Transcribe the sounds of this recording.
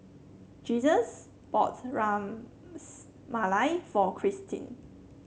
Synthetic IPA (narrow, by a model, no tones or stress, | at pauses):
d͡ʒizəs | b̥ɔ̰tɹãm | s | malaɪfɔkʰɹistʰḭ̃n